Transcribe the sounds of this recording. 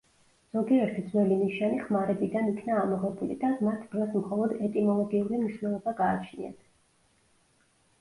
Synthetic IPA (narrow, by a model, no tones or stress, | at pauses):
z̥ɔɡiɛɾt̪ʰid̪zvwɛlimiʃaniχmaɾɛbid̪anikʰnaːmɔʁɛbulḭd̪amat̪ʰd̪ɾɔsmχɔlˠɔd̪ɛt̪ʼimɔlˠɔɡiulimniʃnɛlˠɔbaɡaːt͡ʃʰnḭa̰t̪ʰ